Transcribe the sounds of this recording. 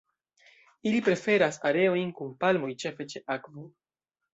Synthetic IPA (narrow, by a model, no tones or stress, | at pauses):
ilipɾe̞fe̞ɾasaɾe̞o̞jnkunpalmo̞jt͡ʃe̞fe̞t͡ʃe̞ʔakvo